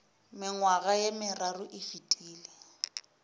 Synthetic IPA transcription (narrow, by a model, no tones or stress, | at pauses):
mɪŋwaɣajemɪrarʊʔɪfitʼiːlɪ